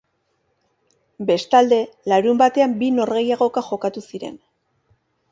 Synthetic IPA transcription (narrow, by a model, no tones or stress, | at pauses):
be̞st̪ald̪e̞laɾumbat̪e̞ambino̞ɾɣe̞jaɣ̞o̞kaʝo̞kat̪usiɾe̞̰n